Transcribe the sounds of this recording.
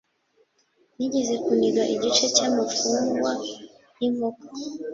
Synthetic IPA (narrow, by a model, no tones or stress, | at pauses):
ɲiɲizikuniɗwaʔiɟit͡ʃɛt͡ʃamufuŋwa | imukɔ